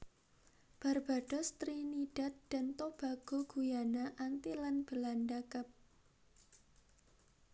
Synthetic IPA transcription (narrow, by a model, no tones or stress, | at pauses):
b̥a̤rb̥a̤ɖ̥ɔ̤st̪ɾiniɖ̥a̤t̪̚d̥a̤nt̪ob̥aɡ̥o̤ɡ̥ujanaʔant̪ilanb̥əlandakəp̚